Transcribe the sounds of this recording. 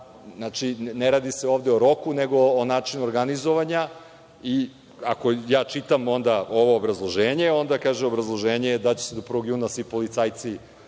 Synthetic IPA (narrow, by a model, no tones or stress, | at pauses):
znaːt͡ʂineɾaːd̪iseoːʋd̪eoɾo̞kuneɡo̞ːnaːt͡ʃinoɾɡanizo̞ʋaɲa | i | ako̞jaːt͡ʃit̪amo̞nd̪ao̞ʋo̞ːbɾazlˠoʒeːɲeo̞nd̪akaːʒeobɾazlˠo̞ʒeːɲed̪at͡ɕu̥sed̪opr̩ʋo̞ɡjunasipo̞lit̪saːjt̪si